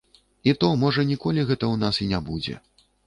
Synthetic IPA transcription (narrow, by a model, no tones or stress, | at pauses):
it̪ɔmɔʐɐnʲikɔlʲiɣɛt̪ɐwnasinʲabud͡zʲɛ̰